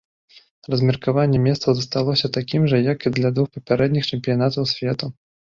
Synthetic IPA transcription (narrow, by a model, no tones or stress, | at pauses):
rɐzʲmʲɛrkavanʲːɛmʲɛssɐwzɐst̪alˠɔsʲɐt̪akʲimʐɐjɐkid̪lʲad̪vuxpɐpʲaɾɛd̪nʲixt͡ʂɛmʲpʲijanat̪ɐwsʲvʲɛt̪u